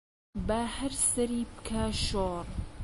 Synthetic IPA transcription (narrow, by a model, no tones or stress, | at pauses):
bahɐɾsɐɾiːbɨ̥kʰaːʃoːrˤ